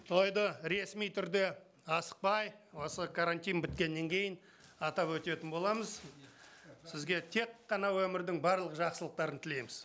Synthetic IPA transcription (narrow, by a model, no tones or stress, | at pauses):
t̪ʰo̞jd̪əɾe̞smijt̪ʰʏɾd̪e̞ | ɑsə̥q̚pɑjwo̞səkʰaɾant̪ijnbɪt̪kʲe̞nːe̞ŋkʲʰe̞jɪn | ɑt̪ɑpwɵt̪e̞t̪ɪnbo̞lˠɑməz | sɪzɡʲe̞t̪ʰe̞qːɑnɑwɵmɪɾd̪ɪŋbɑɾlˠəqʒɑqsəlˠəq̚t̪ɑɾənt̪ʰɪle̞jmɪz